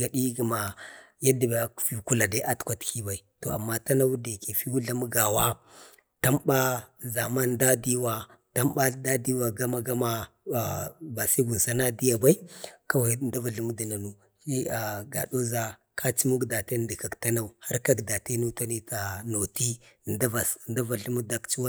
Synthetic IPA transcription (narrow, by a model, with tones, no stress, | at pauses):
ɡa˨di˦ɡi˨ma˨ja˦di˨ba˨kfi˨ku˦la˨da˦ʔa˦tkʷa˨tki˦ba˨i˨to˨a̰˨mːa˦ta˦na˦wu˦de˨ke˨fi˦wu˦ɮa˦mu˦ɡa˨wa˦ | ta˦mba˦za˨ma˦nda˦di˦wa˨ | ta˦mba˦da˦di˦wa˨ɡa˦ma˨ɡa˦ma˦˨ | ba˨si˦ɡu˨n˨sa˦na˦di˦ja˨ba˦i˦ka˦wa˨˦nda˦va˨ɬu˦mu˦di˨na˨nu˦ | i˦a˨ɡa̰˨ɗo˦za˦ | kʰa˦t͡ʃi˦mu˦ɡda˨te˦n˨di˨ka˨kta˦na˦u˨ha˦ɾka˦kda˨te˦nu˦ta˦ni˦ta˨no˨ti˦˨nda˦va˨snda˦va˨ɬu˦mu˦da˦kt͡ʃi˦wa˦